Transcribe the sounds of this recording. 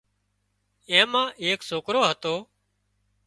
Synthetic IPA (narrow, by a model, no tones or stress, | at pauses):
ẽːmãːʔeːksoːkɾoːɦət̪oː